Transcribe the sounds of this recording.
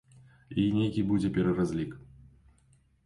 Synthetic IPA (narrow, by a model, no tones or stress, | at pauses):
inʲejkʲibud͡zʲɛpʲɛɾɐrazʲlʲik